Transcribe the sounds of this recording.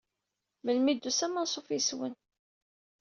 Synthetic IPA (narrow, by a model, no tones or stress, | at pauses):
məlmid̪ːusæmənsˤofiswə̰n